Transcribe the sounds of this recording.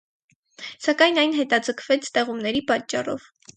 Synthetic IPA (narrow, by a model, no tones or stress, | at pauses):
sɑkɑjnɑjnɦɛt̪ɑd͡zəkʰv̥ɛt͡sʰt̪ɛʁumnɛɾipɑt͡ʃːɑrɔ̰v̥